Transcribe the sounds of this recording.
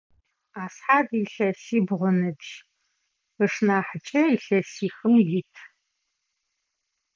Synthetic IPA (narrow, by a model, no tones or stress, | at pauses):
aːsħaːdiɬɐsiːbʁʷʊnɨdʒ | əʂnaːħət͡ʃʼɐiɬɐsiːxɨmjitʰ